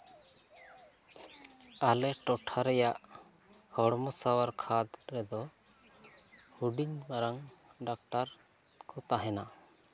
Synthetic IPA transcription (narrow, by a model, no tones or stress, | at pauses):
alɛʈɔʈʰaɾɛjaʔ | hɔɽmɔsawaɾkʰad̪ɾɛd̪ɔ | huɖiɲmaɾaŋɖak̚ʈaɾ | kɔt̪aɦɛna